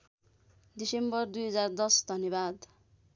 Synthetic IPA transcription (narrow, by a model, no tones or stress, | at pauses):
d̪isembʌrd̪ujɦʌd͡zard̪ʌsd̪ʱʌnjebad̪